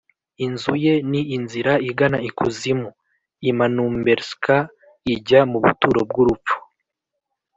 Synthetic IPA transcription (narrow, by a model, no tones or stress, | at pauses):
inzuje̞niːnziɾaiɡanaikuzimu | imanuːmbeɾska | iɟamuβṵtuːɾo̞b̚ɡuɾup͡fu̥